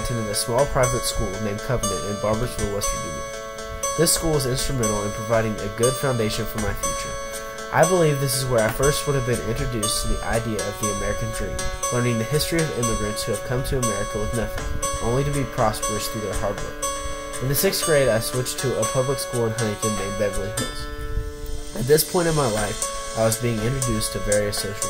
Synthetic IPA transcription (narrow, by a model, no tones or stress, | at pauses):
tʰɨ̃nɨ̃ɾɨsmɔlˠpʰɹ̥aɪvɨtskulˠwɨnẽɪ̃mkʰʌvənɨ̃ntɨ̃nbɑɹbə˞skulˠwʌz̥kʰəmʉ̰̃nɨ̰̃n | ðɪskulˠwʌzɪ̃nstɹ̥ɨmɛ̃ɾ̃l̩ˠə̃npʰɹ̥əvaɪɾɪ̃ŋɨ̰ɡʊd̥fãʊ̃ndeɪʃɨ̃nfə˞maɪfjʉt͡ʃə̰˞ | ʔa̰ɪbəlivðɪs̬ɨzwə˞aɪfɜ˞st̚wʊɾɨvbɨ̃nɪ̰̃nt͡ʃɹ̥ɨdʉstʰɨðiʔa̰ɪdiɨʌvðiɨmɛɹɨkɨ̃ndɹḭ̃mõʊñɪ̃ŋðɨɦɪstɹ̥iʌvɪ̰̃mɨɡɹɨ̃ntshʉɨv̥kʰʌ̃mtʰɨːmɛɹɨkəwəðnɛfɨ̰ʔõʊ̃nliɾɨbipʰɹ̥ɑspə˞ɨsθʉðə˞ɦɑɹd̚wə̰˞k | ɨ̃nðɨsɪksɡ̥ɹeɪɾaɪswɪt͡ʃtʰɨəpʰʌbləkskɔɹ̃nɦʌ̃nɪ̃kʰɨ̃nːẽɪ̃bɛɡɹĩɦols | ɨt̪̚ðɪspʰɔ̃ɪ̃ɾ̃ʌ̃vmaɪlaɪfaɪwʌzbiɪ̃ŋɪ̃nt͡ʃɹ̥ɨdʉstʰɨvɛɹiɨsoʊʃl̩ˠ